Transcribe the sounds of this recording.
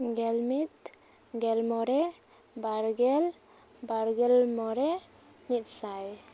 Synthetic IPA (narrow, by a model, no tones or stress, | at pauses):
ɡɛlmit̪̚ | ɡɛlmɔɾɛ | baɾɡɛl | baɾɡɛlmɔɾɛ | mit̪̚saj